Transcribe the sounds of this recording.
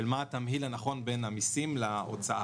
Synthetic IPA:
lmat̪amɦilanaχo̞nbe̞namisimlao̰t͡saʔa

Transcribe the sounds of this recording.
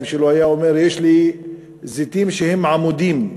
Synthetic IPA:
mʃelohajaomeɾjeʃli | zit̪imʃehemːʕamod̪im

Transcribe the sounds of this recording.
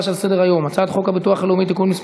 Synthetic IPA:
ʃalse̞d̪eʁajo̞mat͡sad̪χo̞kabit̪uaχelomit̪ikulmisp

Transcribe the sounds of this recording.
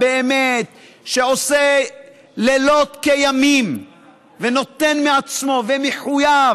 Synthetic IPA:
beemet̪ | ʃeo̞se | lelo̞t̪kejamim | veno̞t̪enmeat͡smo̞vemeħuja

